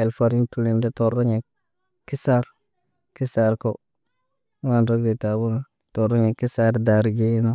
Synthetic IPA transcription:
e˨lfa˨ɾi˦ntu˨li˨nde˦to˨ɾo˦ɲe˨ | kːi˦sa˦ɾ | ki˦sa˦ɾko˦ | wa˦nɾo˦kde˨ta˨bu˦n˨ | to˨ɾo˦ɲe˨kːi˦sa˦ɾda˨ɾɡe˦no˦

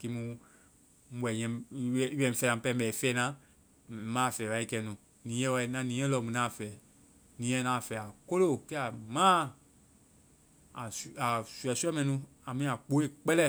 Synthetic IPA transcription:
ki˧˦mũ˧˦ | wɛ˨ɲɛ̃˧˦wɛ˦˨i˦wɛ̃˨˦fɛ˨nã˨pɛ̃˧˦bɛ˨i˨fɛː˦nã˦˨˦ | mãː˦˨fɛː˨wa˨˦i˦kɛ˧nũ˨ | nĩ˨˦ɛ̃˦wa˧i˦nã˧˦nĩ˨˦ɛ̃˦lɔ˧˨mũ˨nãː˦˨fɛː˨ | nĩ˨˦ɛ̃˦nã˨˦˨fɛ˨a˨ko˦lo˦˨kɛ˦a˨mã˦ | a˨sa˨su˨ɛ˨su˦ɛ˦mɛ̃˧˨nũ˧˦ | a˨mĩ˦a˨k͡po˨˦e˦˨k͡pɛ˦lɛ˦˨

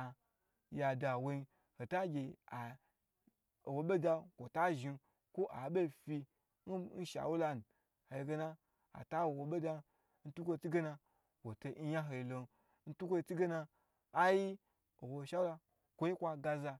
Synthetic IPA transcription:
ja˨da˨wo˧i˧ | ho˨ta˦ɡʲe˨a˨ | o˨wo˨ɓe˦da˧kʷo˨ta˦ʒi˧ | kʷo˦ʔa˨ɓe˦˨fi˧ | n̩˦n̩˦ʃa̰˨wu˦la˧n˨ | ho˨i˧˨ɡe˧na˦ | a̰˨ta˦wo˨wo˨ɓe˦da˧ | n̩˦tu˦kʷo˦˧t͡si˦ɡe˦na˧ | wo˨to˧˦ja˦ɦo˨i˨lo˧n˦ | n̩˦tu˦kʷo˦i˧t͡si˦ɡe˦na˧ | a˦ji˦ | o˨wo˨˧˨ʃa˨˦wu˦la˧ | kʷo˨˦ji˦kʷa˧ɡa˧za˧

